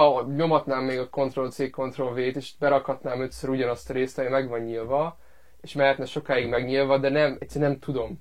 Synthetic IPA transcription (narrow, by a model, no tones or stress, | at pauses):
ɒɲo̞mɒt̪naːmːeːɡɒko̞nt̪ro̞lt̪seːkko̞nt̪ro̞lveːt̪eːʃi̥t̪bɛɾɒkhɒt̪naːmø̞t̪søɾuɟɒnɒst̪ɒɾeːst̪ɒmimɛɡʋɒɲːilvɒ | eːʃmɛlɛt̪nɛʃo̞kaːiɡmɛɡɲilvɒd̪ɛnɛmɛt̪sɛɾnɛmt̪ud̪o̞m